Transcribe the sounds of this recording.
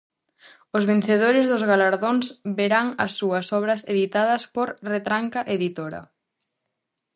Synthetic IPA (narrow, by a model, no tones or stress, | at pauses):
ʊzβen̟θeð̞oɾɪzðʊzɣalaɾðoŋsβeɾaŋɐ̰sːuɐsɔβɾɐseðit̪aðɐspoɾret̪ɾaŋkɐʔeðit̪oɾɐ̰